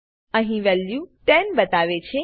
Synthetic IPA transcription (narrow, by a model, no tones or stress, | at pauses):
əɦĩʋɛljũʈɛnbət̪aʋet͡ʃʰe